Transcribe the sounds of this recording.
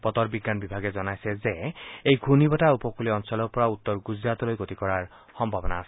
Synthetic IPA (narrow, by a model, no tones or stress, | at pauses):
pɔt̪ɔɹbiɡːanbibʱaɡɛzɔnajsɛzeejɡʱunibɔtaupɔkuliɔnsɔlɔpɔɹaut̪ːɔɹɡuzɹat̪ɔlojɡot̪ikɔɹaɹ | xɔmbʱabɔnaːs